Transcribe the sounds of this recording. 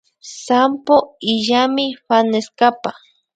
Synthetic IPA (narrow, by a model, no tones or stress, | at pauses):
sampoiʎamɪɸaneskapa